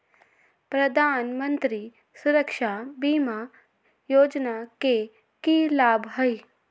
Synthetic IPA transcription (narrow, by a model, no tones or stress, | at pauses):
pɾɐd̪ʱaːnmə̃nt̪ɾi | sʊɾəkʃabiːma | joːd͡ʒnake | kilaːbʱɦəj